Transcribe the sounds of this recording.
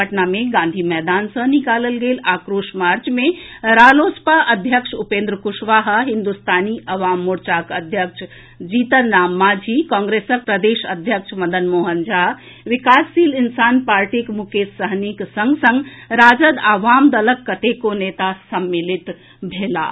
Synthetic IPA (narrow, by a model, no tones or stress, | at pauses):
əʈnameɡãːnd̪ʱimɛːd̪aːnsə̃nikaːləlɡeːlaːkɾoːʃmaɾt͡ʃmeɾaːlospaʔəd̪ʱjəkʂupẽːnd̪ɾəkuʃʋaːɦəɦind̪ust̪ʰaːniʔɐʋaːmːuɾt͡ʃakəd̪ʱjəkʃʰ | d͡ʒiːt̪əɾnaːmːad͡ʒʱikɔ̃ːŋɡɾesək̚pɾəd̪eːʃəd̪ʱjəkʃʰmɐd̪ənmoːɦənd͡ʒa | ʋikaːsːiːlinsaːnpaːɾʈikmukesəɦniksəŋɡsə̃ŋɡɾaːd͡ʒəd̪aʋaːmd̪ələkːət̪ekoneːt̪asəmːilit̪ | bʱela̰